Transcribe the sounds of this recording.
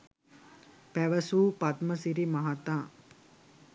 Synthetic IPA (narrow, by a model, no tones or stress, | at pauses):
pæʋəsuːpat̪məsiɾimaɦat̪aː